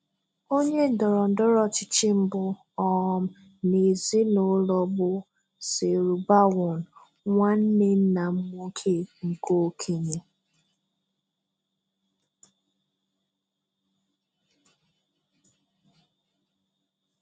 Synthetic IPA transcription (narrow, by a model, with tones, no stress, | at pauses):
o˦ɲe˦n̩˦˨dɔ˨ɾɔ˨n̩˨˦dɔ˦ɾɔ˦t͡ʃɪ˨t͡ʃɪ˦m̩˦bʊ˨ | ɔ˦˨m̩˦ | ne˨zi˦no˨˦lɔ˦bʊ˦ | sɪ˨ɾu˨ba˦wʊ˨n˨ | ŋʷa˦n̩˦ne˦n̩˦na˨m̩˦m˦o˦kʰe˦ŋ̩˨ko˦kʰe˦ɲe˨